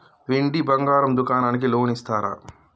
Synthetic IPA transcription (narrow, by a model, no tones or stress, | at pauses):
ʋeɳɖibɐŋɡaːɾɐmd̪ukaːnaːnik̬iloːnist̪aːɾa̰